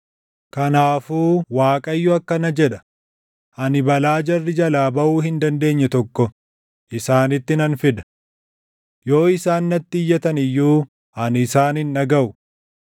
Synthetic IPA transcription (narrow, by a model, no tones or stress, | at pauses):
kɐnaːfuːwaːkʼɐjːʊɐkːɐnɐd͡ʒɛᶑɐ̥ | ʔɐnɪbɐlaːd͡ʒɐrːɪd͡ʒɐlaːbɐʔuːhɪnd̪ɐnd̪e̞ːɲːɛt̪ɔkːɔ | ʔɪsaːnɪt̪ːɪnɐnfɪd̪ɐ̥ | jo̞ːɪsaːnːɐt̪ːɪjːɐt̪ɐnɪjːuː | ʔɐnɪsaːnɪnːɐɡɐʔʊ